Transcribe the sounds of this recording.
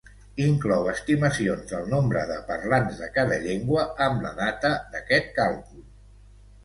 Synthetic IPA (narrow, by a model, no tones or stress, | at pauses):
iŋklɔwəst̪iməsionzðəlˠnombɾə̰ðəpəɾlanzðəkaðəʎeŋɡwəːmlə̰ðat̪əðəkɛt̪̚kalˠkul